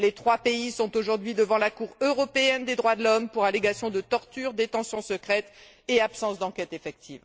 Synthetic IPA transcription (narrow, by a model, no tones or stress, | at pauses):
let̪χwapeisɔ̃t̪oʒuʁd̪ɥid̪əvɑ̃lakuʁøʁɔpeɛnd̪ed̪ʁwad̪əlɔmpuʁaleɡasjɔ̃d̪ət̪ɔʁt̪yʁd̪et̪ɑ̃sjɔ̃səkχɛt̪ | eapsɑ̃sd̪ɑ̃kʲɛt̪efɛk̚t̪ʰiv